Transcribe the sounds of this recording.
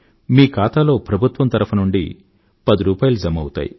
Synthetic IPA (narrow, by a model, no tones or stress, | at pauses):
miːkaːt̪aːlo̞ːpɾɐbʱut̪ʋɐmt̪ɐɾɐpʰɐnuɳɖḭ | pɐd̪iɾuːpaːjɐlud͡ʒɐmɐwut̪a̰ːjḭ